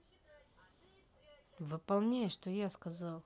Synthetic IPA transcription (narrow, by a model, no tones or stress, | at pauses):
vɨpɐlˠnʲejəʂt̪ojaskɐzalˠ